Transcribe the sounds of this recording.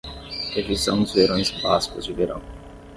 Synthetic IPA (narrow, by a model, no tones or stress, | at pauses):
evisɐ̃w̃d̪ʊzveɾõj̃zbaskʊzd͡ʒɪveɾɐ̰̃w̃